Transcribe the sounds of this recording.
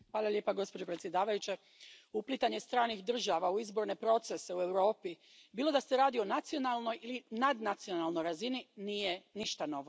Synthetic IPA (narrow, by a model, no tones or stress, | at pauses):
xʋaːlˠalʲje̞ːpaɡo̞spod͡ʑo̞pɾet̪sjed̪aːʋajut͡ɕe | uplit̪aɲest̪ɾaːnixd̪r̩ʒaʋauizbo̞ɾne̞pɾo̞t̪se̞seue̞wɾo̞ːpi | biːlˠo̞d̪aseɾaːd̪io̞nat̪sio̞nalˠno̞jilinad̪nat̪sio̞nalˠno̞jɾazininije̞niʃt̪ano̞ʋo